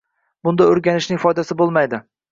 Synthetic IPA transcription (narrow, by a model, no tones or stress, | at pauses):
bʊnd̪aʊɾɡʲanɪʃnɪŋfɒjd̪asɪbolˠmajd̪ɪ